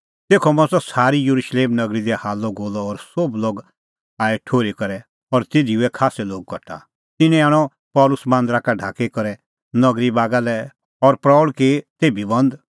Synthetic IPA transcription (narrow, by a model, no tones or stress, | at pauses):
t̪eːkʰɔmɐ̃sɔsaːɾijɐɾuʃleːmnɐɡɾid̪ɛhaːlɔɡoːlɔːɾsobloːɡ | aːɛʈʰoːɾikɐɾɛ | ɔɾt̪eːd̪iʊɛkʰaːsɛloːɡ̚kɔʈʰa̰ | t̪ɪnɛ̃aːɽ̃ɔ | pɔːlʊsmãːnd̪ɾakaɖʱaːkekɐɾɛ | nɐɡɾibaːɡalɛ | ɔɾpɾɔɭket̪eːbʱibɐ̃nd̪